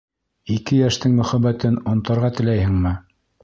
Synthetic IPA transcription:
ikɘjæʃt̪ɘŋmɵ̆χæbæt̪ɘnŏnt̪ɑɾʁɑt̪ɘ̆læjɘ̆ŋmɘ

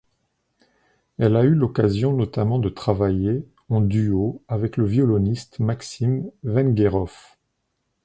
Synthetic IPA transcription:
ɛlaylɔkazjɔ̃nɔt̪amɑ̃d̪ət̪χavaje | ɑ̃d̪yoavɛkləvjɔlɔnist̪maksimvɛ̃nɡʲeʁɔf

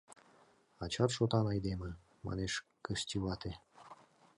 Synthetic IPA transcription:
ɑt͡ɕɑt̪ʃot̪ɑnɑjd̪emə | mɑ̰neʃkəʃt̪ʲiβɑt̪e

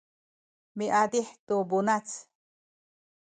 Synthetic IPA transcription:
miʔad̪iħt̪ubunat͡s

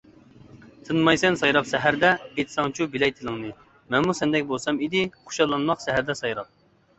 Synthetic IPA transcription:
t̪ʰɨnmɑjsɛnsɑjɾɑpsɛɦæɾd̪ɛet̪ʰsɑŋt͡ʃʰubɪlɛjt̪ʰɨlˠɨŋnɨ | mɛnmusɛnd̪ɛkʲbolˠsɑmid̪ɪqʰo̥ʃɑlˠːɑnmɑqsɛɦæɾd̪ɛsɑjɾɑp̚

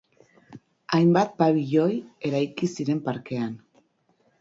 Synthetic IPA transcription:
ajmbat̪̚paβiʎo̞je̞ɾajkisiɾe̞mpaɾke̞an

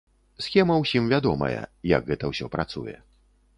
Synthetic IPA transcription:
sxʲɛmɐwsʲimvʲad̪ɔmɐ̰jɛ̰jɐ̰ɡɣɛt̪ɐwsʲɔpɾat̪sṵjɛ̰

